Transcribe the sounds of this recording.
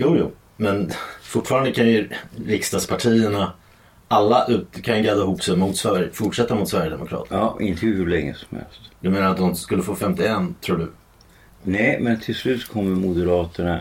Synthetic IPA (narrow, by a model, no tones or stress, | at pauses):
juːjṵː | mɛnfʊʈfɑːɾand̪əkʰanjɵɾɪkst̪ɑd̪spʰaʈʰiːəɳa | alːaʔʉ̟ːt̪kʰanjɡad̪aɪhʊpːsɛjmʊt̪svæfʊʈʂɛt̪ːamʊt̪svæɾjəd̪ɛ̰mʊkʰɾɑ̰ːt̪ɑːʔɪ̰nt̪ʰəhʉlɛŋːə̰sɔ̥mhɛ̰lst̪d̪ɵmeːnaɾat̪̚d̪ɔmskɵlːəfoːfɛmt̪ɪɛnːt̪ʰɾuːɖɵ | nɛjmɛnt̪ʰɪlslʉ̟ːt̪kʰɔmːəɾmʊd̪əɾɑːt̪əɳa